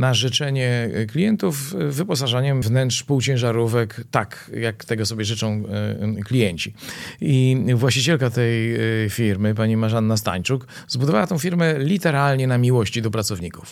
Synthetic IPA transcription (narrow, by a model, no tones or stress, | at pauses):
naʐɛt͡ʂɛɲɛklʲijɛnt̪ufːɘpɔs̬aʐaɲɛmvnɛntʂpuwt͡ɕɛ̃w̃ʐaɾuvɛkt̪ak | jakt̪ɛɡɔsɔbʲjɛʐɘt͡ʂɔ̃w̃klʲijɛɲt͡ɕiivwaɕt͡ɕit͡ɕɛlkat̪ɛjfʲiɾmɘp̬aɲimaʐanːast̪a̰ɲt͡ʂuk | zbud̪ɔvawat̪ɔ̃w̃fʲiɾmɛlʲit̪ɛɾalɲɛnamʲiwɔɕt͡ɕid̪ɔpɾat̪sɔvɲiku̥f